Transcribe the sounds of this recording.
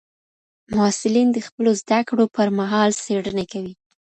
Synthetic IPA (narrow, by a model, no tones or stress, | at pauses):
mɑsɪlind̪əxpəlozd̪akɽopəɾmaɦɑlseɽənakawi